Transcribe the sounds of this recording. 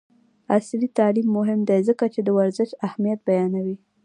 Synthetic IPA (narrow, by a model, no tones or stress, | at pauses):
aslit̪ɑlimːʊɦɪmd̪ezəkat͡ʃed̪əwaɾzɪʃahmijat̪̚bajɑnawi